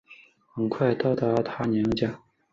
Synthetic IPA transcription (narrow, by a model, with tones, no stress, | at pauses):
xə˧˩ŋkʰwa˥˧ɪt̪ɑ˥˩ʊt̪a˧˥t̪ʰa˥nji˧˥ŋt͡ɕja˥˩ŋ